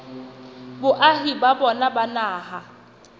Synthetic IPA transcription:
bʊʔaɦibabɔnabanaːɦa

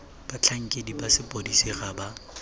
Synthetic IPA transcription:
b̥at͡ɬʰaŋ̩kʼedibasɪpʼodisiɣaba

